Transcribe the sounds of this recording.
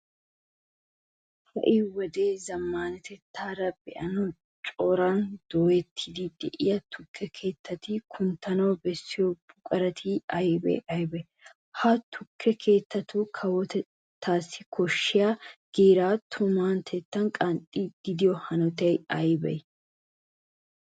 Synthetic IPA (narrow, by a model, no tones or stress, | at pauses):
fɐ̰ʔiːwɔd̪e̞ːzɐmːaːnɐt̪ɛt̪ːaːɾɐbɛ̰ʔɐnɔ | t͡ʃʼoːɾaːnd̪̥ɔːjɛt̪ʰːɪd̪id̪ɛʔɪ̰jɐt̪ʰʊkːɛkʰe̞ːt̪ːɐt̪iːkʰʊnt̪ɐnoːbɛsːɪjɔb̥ʊkʼɐɾɐt̪ʰiɐjbɛ̰ʔɐjbɛ | haːt̪ʰʊkʰːɛkʰe̞ːt̪ːɐt̪uːkʰɐwɔt̪ɛ | t̪ʰːaːsːɪkʰɔʃːɪjaːɡ̥eːɾaːt̪ʰʊmaːnt̪ʰɛt̪ːɐŋkʼɐnt̪ʼːiːd̪̥ɪd̪ɪjɔhɐnɔt̪ɛjɐjbɛ̰j